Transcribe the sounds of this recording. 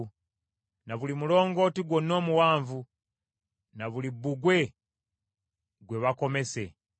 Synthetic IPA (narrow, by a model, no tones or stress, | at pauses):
naβulimulo̞ːŋɡo̞ːtiɡwonːo̞ːmuwaːɱvu | naβulibuɡwe̞ | ɡwe̞βako̞me̞se̞